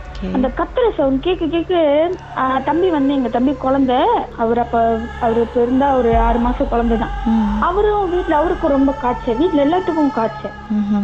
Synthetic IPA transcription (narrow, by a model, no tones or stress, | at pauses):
ɐnd̪ɐkɐt̪ːɯɾɐsɐʊnkeːkːɯkeːkːɯ | t̪ɐmbiʋɐnd̪ɯɛŋɡɐt̪ɐmbikɔɻɐnd̪ɐɐʋɐɾɐpːɐɐʋɐɾɯpɛɾɯnd̪aːɔɾɯaːɾɯmaːsɐ̃kɔɭɐnd̪ɐt̪ãːɐʋɐɾɯ̃ʋiːʈːlɐɐʋɐɾɯkːɯɾɔmbɐkaːʈt͡ʃːɐʋiːʈːlɛlːaːʈːɯkːʊ̃kaːʈt͡ʃːɛ